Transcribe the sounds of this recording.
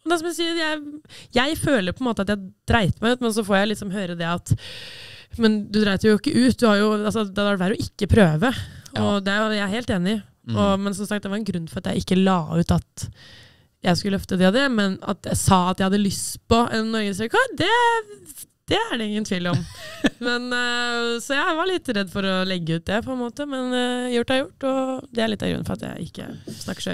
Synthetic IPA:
ɔd̪ɛsɔmjæsiːjæɪjæɪføːləɾpʰɔɛnmoːt̪əɑt̪jæɪd̪ɾæɪt̪mæɪʉːt̪mɛns̬ɔfɔːɾjæɪlɪt̪sɔmɦøːɾəd̪ɛɑt̪ | mɛnd̪ʉd̪ɾæɪt̪əɾjʊɪkːəʔʉːt̪̚d̪ʉhɑɾjʊɑlsɔd̪ɛɑɖæːɾjʊʔɪkːəpʰɾøːʋəɔd̪ɛjæɪɾɦeːlt̪eːnɪ | ʔɔmɛnsɔmsɑk̚t̪d̪ɛʋɑɾɛnɡɾʉnːfɔɾɑt̪jæ̰ɪɪkːəlɑːʉːt̪ɑt̪ | jæɪskʉlːəœft̪əd̪ɛɑd̪ɛmɛnɑ̰t̪jæɪsɑːɑt̪jæɪhɑd̪ːəlʏst̪pɔɛnːɔɾɡəsɑkɔd̪ɛ | d̪̥ɛæɖɛɪŋːənt̪ʰiːlɔmmɛn | sɔjæɪʋɑɾɭɪt̪ːɾɛd̪ːfɔɾɔlɛɡːəʉːt̪̚d̪ɛpʰɔɛnmoːt̪əmɛnjʊʈːɑɾjʊʈːɔd̪ɛæɾɭɪt̪ːɑ̰ɡɾʉ̰nːfɔɾɑt̪jæ̰ɪʔɪ̰kːə̰snɑkːʂœ̰

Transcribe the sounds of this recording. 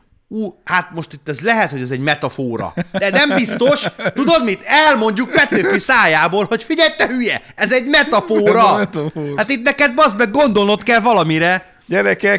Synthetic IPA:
uːhat̪mo̞ʃt̪it̪ːɛzlɛɦɛt̪ho̞ɟɛzɛɟmɛt̪ɒfoːɾɒ̰d̪ɛnɛmbist̪o̞ʃt̪ud̪o̞d̪mit̪ɛlmo̞ɲɟuk̚pɛt̪ːøːfisaːjaːboːlho̞cfiɟɛlt̪ɛɦyjɛɛzɛɟmɛt̪ɒfoːɾɒhaːt̪it̪̚nɛkɛd̪̚bɒzbɛɡo̞nd̪o̞lno̞t̪kɛlvɒlɒmiɾɛ | ɟɛɾɛkɛ

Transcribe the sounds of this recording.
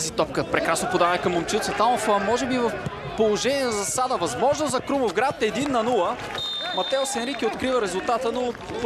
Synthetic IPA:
zit̪ɔp̚kəpɾɛkɾasnopod̪avəkɐmːomt͡ʃit̪sət̪amofəmɔʒɛbivɐf | polˠoʒɛniɛnɐzɐsad̪əvɐzmɔʒnozɐkɾumovɡɾat̪ɛd̪inːɐnulˠə | mɐt̪ɛosɛnɾikʲiot̪kɾivəɾɛzʊlˠt̪at̪əno

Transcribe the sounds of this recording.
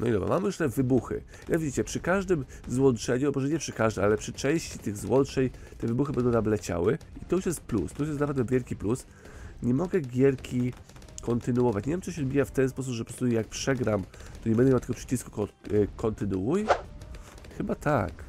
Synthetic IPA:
nɔid̪ɔbɾa̰mamjuʂt̪ɛvɘbuxɘ̰ | ɛvʲid͡ʑit͡ɕɛpʂɘkaʐd̪ɘmzwɔntt͡ʂɛɲumɔʐɛɲɛpʂɘkaʐd̪ɛmalɛpʂɘt͡ʂɛ̃w̃ɕt͡ɕit̪ɘɣzwɔntt͡ʂɛɲ | t̪ɛvɘbuxɘbɛnd̪ɔw̃nablɛt͡ɕa̰wɘit̪ɔjuʂjɛst̪̚plṵst̪ɔjuʂjɛst̪napɛd̪ɛvʲjɛlkʲiplus | ɲɛmɔɡɛɡʲjɛɾkʲʰi | kʰɔnt̪ɘnuɔvat͡ɕɲevʲjɛmt͡s̪ɔɕɛɔd̪bʲijaft̪ɛnspɔs̬upʐɛpɔpɾɔst̪ujak̚pʂɛɡɾamt̪ɔɲɛbɛnd̪ɛmawt̪ɛɡɔpʂɘ̥t͡ɕisku̥kʰɔnt̪ɘnuuj | xɘbat̪ʰak

